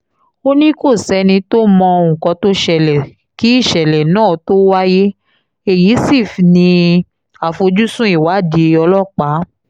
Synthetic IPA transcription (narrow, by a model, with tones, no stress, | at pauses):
o˦nĩ˦ko˦˨sɛ˨˦nĩ˧to˦mɔ̃˧ũ˨kɔ̃˧to˦ʃɛ˨lɛ˨ | ki˨˦i˦˨ʃɛ˨lɛ˨nãː˦˨to˦wa˦je˦ | e˨ji˨˦si˦˨fnĩ˧ | a˨fo˧d͡ʒu˦sũ˦i˦˨wa˨˦˨de˨˦ɔ˧lɔ˦˨k͡pa˨˦